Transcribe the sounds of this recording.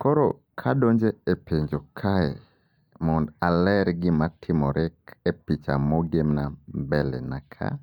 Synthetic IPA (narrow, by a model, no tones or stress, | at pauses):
kɔɾɔ̰ | kʰadoɲd͡ʒeepeɲd͡ʒokʰaɛ̰ | mɔndalɛɾɡɪmatʰɪmɔɾʔɪkepit͡ʃa̰moɡemnambɛlɛ̰nakʰa̰